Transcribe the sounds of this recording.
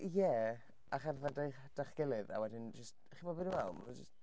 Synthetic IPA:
jɛ | aχarðadaχd̥aχɡ̥ɪlˠɨða̰wɛdɪnd͡ʒəst̚ | χibobɨnunɛlmd͡ʒəst

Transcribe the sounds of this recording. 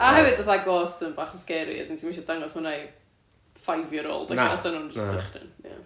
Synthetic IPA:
ahɛvɨdəθaɡɔsənbaːχnskɛɾḭɛ̰sintʰimwiʃɔdaŋɔsmənaj | fajvjɔɾo̰ːlˠdaaasɔnuːnd͡ʒəstdəχrɪ̰na̰

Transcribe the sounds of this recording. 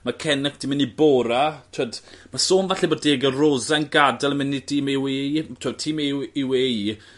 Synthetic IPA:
makʰɛnɛkd̥iːmɪnːiboːɾatʰwoːdmasoːnvaɬɛboːddeːɡərozanɡadalˠəmɪnːidʰiːmiwejtʰəd̚tʰiːmiwej

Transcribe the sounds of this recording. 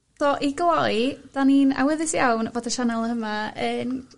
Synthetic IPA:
sɔʔiɡəlɔjd̥anina̰wɪðɨsjawnvoːdəʃanalˠhəmaəːn

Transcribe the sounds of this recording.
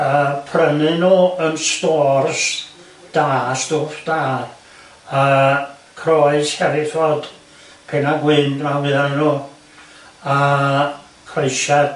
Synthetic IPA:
əpʰrənɨnoənstɔːrs | d̥aːstʊfd̥aːr | ə | kʰrɔɨshɛɾɪθvɔd̥ | pʰɛnaɡwɪndmavɨðajnu | ə | kʰrejʃḁ

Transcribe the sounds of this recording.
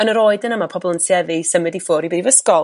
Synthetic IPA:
ənəɾoːɨdənəmapʰɔbɔlˠənsjɛðɨsəmɨdifʊːɾibɛːdivəskɔlˠ

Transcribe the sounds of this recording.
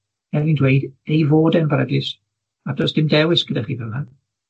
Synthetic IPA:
ɛlvindweɨdejvoːdɛnbrəɡlɪs | adɔsd̥ɪmdɛwɪsɡ̥ədaχiːvɛlˠhan

